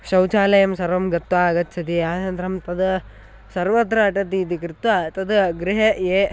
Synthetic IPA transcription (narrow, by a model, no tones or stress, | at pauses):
ʃɐwt͡ʃaːlɐjɐmsɐɾʋɐmɡɐt̪ʋaːɐɡɐt̪ːt͡ʃʰɐt̪iaːt͡ʃɐnd̪ɾɐmt̪ɐd̪ɐ | sɐɾʋɐd̪ɾɐɐʈɐt̪̬it̪ikɾɪt̪ʋaːt̪ɐd̪ɡɾɪɦɐeː